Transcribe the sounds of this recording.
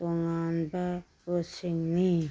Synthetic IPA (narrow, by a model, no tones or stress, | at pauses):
oŋanba | osiŋni